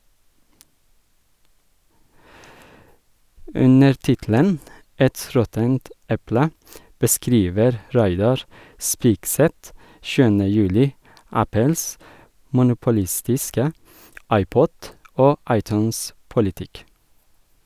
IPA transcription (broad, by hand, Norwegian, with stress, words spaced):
ˈʉnəɾ ˈtɪtl̩ən ˈɛt ˈɾɔtənt ˈɛplə bəˈskɾiːʋəɾ ˈɾæɪdɑɹ ˈspiːkˌsɛt ˈʃʉːənə ˈjʉːlɪ ˈæpəls mʊnʊpʊˈlɪstɪskə ˈɑɪˌpɔd ˈoː ˈɑɪˌtʉːnˌspʊlɪtɪk